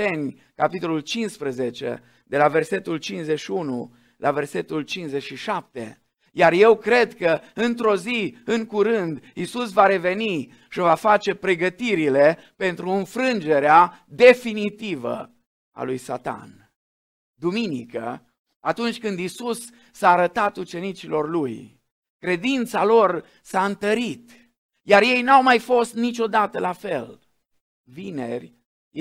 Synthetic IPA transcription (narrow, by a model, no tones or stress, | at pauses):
enʲ | kapit̪o̞lult͡ʃinspɾəzet͡ʃe̞̰ | d̪e̞lave̞rse̞t̪ult͡ʃinszeʃiunṵ | lʔave̞rse̞t̪ult͡ʃinszeʃiʃap̚t̪ḛ | jarje̞wkɾe̞d̪kəɨnt̪ɾo̞ziɨŋkuɾɨnd̪isusvaɾe̞ve̞ni | ʃivafat͡ʃe̞pɾe̞ɡət̪iɾile̞ | pe̞nt̪ɾuɨnfɾɨnd͡ʒe̞ɾead̪e̞finit̪ivə̰ | a̰lujsa̰t̪a̰n | d̪uminikə̰ | at̪unt͡ʃʲkɨnd̪isusː | aːɾət̪at̪ut͡ʃe̞nit͡ʃilo̞rluj | kɾe̞d̪int̪salo̞r | saɨnt̪əɾit̪ | jarje̞jnawmajfo̞st̪nit͡ʃʲo̞d̪at̪əlafe̞l | vine̞rʲ